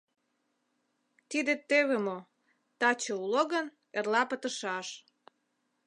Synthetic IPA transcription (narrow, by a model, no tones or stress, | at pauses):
t̪id̪et̪eβemo | t̪ɑt͡ɕouloɣən | erlɑpət̪ə̆ʃɑʃ